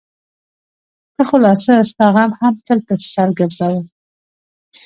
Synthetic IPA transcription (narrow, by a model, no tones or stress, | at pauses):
kaxolɑsəːst̪ɑɣɑmhamt̪əlt̪ḁsaɾɡəɾzawə